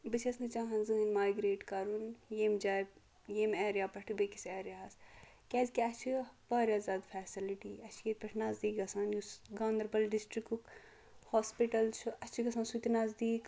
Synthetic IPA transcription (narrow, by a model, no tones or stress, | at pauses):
bɨt͡ʃʰɐsnɨt͡ʃãːɦɐnzɨinmaːjɡɾeːʈkaːɾunjeːmd͡ʒaː | jeːmɛːɾjaːpɐʈʰibekisɛːɾjaːs | kʲɛːzkiɐt͡ʃʰibɐːɾʲjaːzaːd̪fʰɛːsiliʈiːɐt͡ʃʰijeːt̪̚pɐʈʰnaːzd̪iːkɡɐsaːnjusɡãːnd̪ɐɾbɐlɖisʈɾikuk | hoːspiʈɐlt͡ʃʰuɐt͡ʃʰiɡɐsaːnsut̪inazd̪iːk